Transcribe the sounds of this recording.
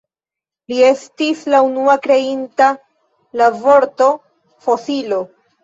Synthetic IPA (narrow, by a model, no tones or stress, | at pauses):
lie̞stislaunuakɾe̞inta | lavo̞ɾto̞ | fosilo̞